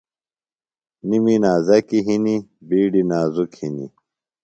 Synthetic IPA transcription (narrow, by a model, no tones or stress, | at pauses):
niminaːzɐkiɦinibiːɖinaːzukhinḭ